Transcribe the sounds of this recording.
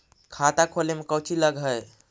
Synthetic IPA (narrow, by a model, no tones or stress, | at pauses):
kʰat̪akʰolemekəwt͡ʃʰiləɡʱəj